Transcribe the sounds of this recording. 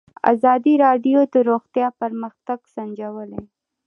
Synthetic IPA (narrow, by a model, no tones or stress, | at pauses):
a̰zɑd̪iɾɑɖijod̪əɾoxt̪jɑpaɾməxt̪aɡsand͡ʒawəle